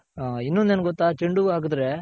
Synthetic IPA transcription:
inːond̪enɐɡɔt̪ːaːt͡ʃeɳɖuaːɡɯd̪ɾe̞

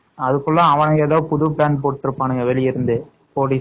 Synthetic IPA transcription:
ɐðɯkːɯɭːãɐʋɐnɐeːðaːʋɯpʊðʊpɭaːnpoːʈːɪɾɯpːaːnɯŋɡɐʋɛlɪjɪɾɯnd̪ɯ | poːɽi

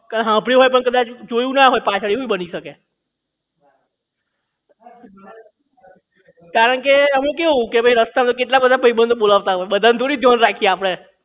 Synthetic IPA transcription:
kəd̪ɦãpɽĩɦojp̬əɳkəd̪at͡ʃd͡ʒojũnaɦojpat͡ʃʰəɭiɦojbəniʃəke | kaɾəɳkeəmekeɦũkebʱəjɾəst̪at̪ok̬eʈlabəd̪ʱapəɾibənd̪ʱɓolaʋt̪aɦojɓəd̪ʱant̪ʰoɽid̪ʱjɔnɾakʰijeapəɽ̃e

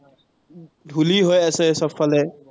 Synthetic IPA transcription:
dʱuliɦojasɛsɔpʰfalɛ

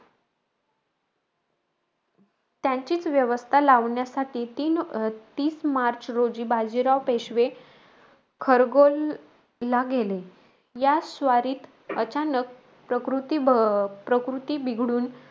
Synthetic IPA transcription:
t̪jaɲt͡ɕiːt͡sʋjəʋəst̪ʰalaʋɳjasaʈʰiːt̪iːnt̪iːsmaɾt͡ɕɾod͡ʑiːbʱad͡ʑiɾaʋpeɕʋe | kʰəɾɡolː | aɡele | jasʋaɾiːt̪ | ət͡ɕanək̚ | pɾəkɾut̪ibpɾəkɾut̪iːbʱiɡɽuːn

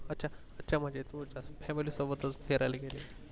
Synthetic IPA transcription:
ətːɕʰa | ətːɕʰam̤əɳd͡ʑet̪ũd͡ʑasfɛmiliːsɔbət̪ət͡sfeɾajleɡele

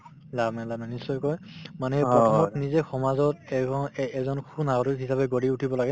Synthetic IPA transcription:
labmalabnanisːɔjkɔjmanɛpɹɔtɔmɔtnizɛxɔmazɔt | ɛzɔnkʰunaɡɔɹiɦisabɛɡodiutʰibɔlaɡɛ

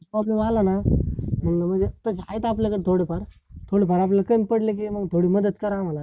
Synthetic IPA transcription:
pɾɔblemalanamunlaməd͡ʒet̪əsa̰jt̪aːp̬lekəɾt̪ʰoɽepaɾt̪ʰoɽepaɾaːplekəmʲpəɽlekiməɡt̪ʰoɽiməd̪əd̪kɐɾaʋana

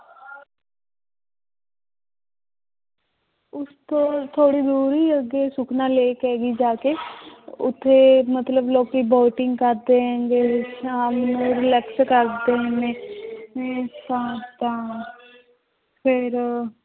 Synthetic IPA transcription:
ʊst̪õːt̪ʰoːɽiːd̪uːɾiːəɡeːsʊkʰnãːleːkɛːɡiːd͡ʒaːkeːʊ̰t̪ʰːeːmət̪ləbloːkiːboːʈɪŋɡkəɾd̪eːɦɛ̃ːŋɡeːəmnũːɾɪlɛːkskəɾd̪eːɦɛ̃neːneːt̪ãːt̪ãː | pʰɪɾ

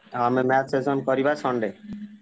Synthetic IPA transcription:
amemɛt͡ɕezonkɔɾibasɔɳɖe

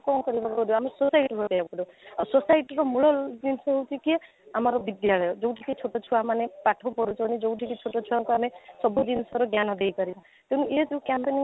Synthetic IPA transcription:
kɔnkɔɾibakɔɾiamesosajiʈibʱoteakɔɾuasosajʈɔɾɔmuɭɔld͡ʒinsɔɦewt͡ʃʰikie | amɔɾɔbid̪jaɭɔjɔd͡ʒowʈʰikit͡ʃʰoʈɔt͡ʃʰuamanepaʈʰɔpɔɾut͡ʃɔnid͡ʒouʈʰikit͡ʃʰoʈɔt͡ʃʰuwaŋkuamesɔbud͡ʒinsɔɾɔɡjanɔd̪ejkɔɾiba | t̪eñũʔed͡ʒewkampeni

